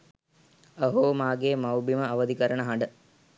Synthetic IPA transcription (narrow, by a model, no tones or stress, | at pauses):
əɦomaːɡeːmɐwbiməɐʋəd̪ikəɾənəɦaɳɖə